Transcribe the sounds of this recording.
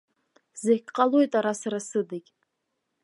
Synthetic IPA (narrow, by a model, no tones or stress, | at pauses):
zekʲʼqʼalojtʼaɾasaɾasɨdakʲʼ